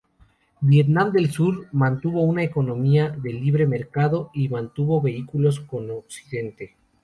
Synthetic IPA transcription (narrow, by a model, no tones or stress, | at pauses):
bjet̪nãmd̪e̞lsuɾmãnt̪uβo̞unaeko̞nõ̞miaðe̞liβ̞ɾe̞me̞ɾkaðo̞imãnt̪uβo̞βe̞ikulo̞s̬ko̞noksiðe̞nt̪e